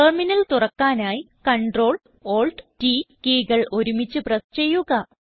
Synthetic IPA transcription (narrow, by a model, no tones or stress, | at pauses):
ɐrminɐlt̪urɐkːaːnaːji | kɐɳɖro̞ːɭ | oːɭɖʈiːkiːɣɐɭo̞ɾumit͡ɕːɨprɐst͡ɕe̞jːuɣɐ